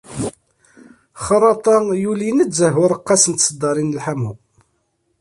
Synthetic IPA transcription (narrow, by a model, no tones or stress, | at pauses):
χəɾˤɑt̪ˤɑjulinəzəɦʊɾˤəqːɑsənt̪səd̪ɑɾˤinəlħamu